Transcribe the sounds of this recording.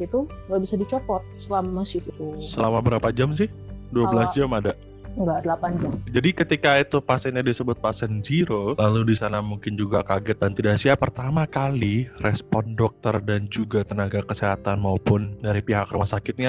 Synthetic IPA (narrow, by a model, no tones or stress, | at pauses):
it̪uŋɡaʔbisadit͡ʃɔpɔt̪̚səlamaməsɪfit̪usəlamabəɾapad͡ʒams̬ɪhduaəlasd͡ʒamada | əŋɡadəlapand͡ʒamd͡ʒadikət̪ikait̪upasɛnɲadisəbʊt̪̚pasɛnd͡ʒiɾolaludisanamuŋkɪnd͡ʒuɡakaɡɛt̪̚dant̪idasiapərt̪amakalirʔɛspɔndɔk̚t̪ərdand͡ʒuɡat̪ənaɡakəseɦat̪anmaupʊndaɾipiɦakrumasakɪt̪̚ɲa